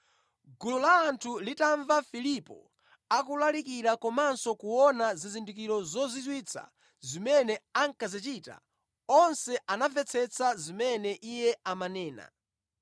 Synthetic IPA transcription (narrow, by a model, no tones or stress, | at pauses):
ɡulɔlaːntʰulitaɱvafilipɔ̰ | akulalikiɾakɔmansɔkuwɔnazizindik̬iɾɔzɔzitwit͡sʰa̰ | zimɛnɛaŋkazit͡ʃita̰ | ɔnsɛʔanavɛt͡sʰɛt͡sʰazimɛnɛʔijɛamanɛːna̰